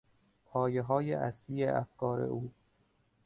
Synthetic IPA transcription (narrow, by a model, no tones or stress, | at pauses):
pʰɒːjeɦɒːjeʔæsliːeʔæfkʰɒːɾḛʔuː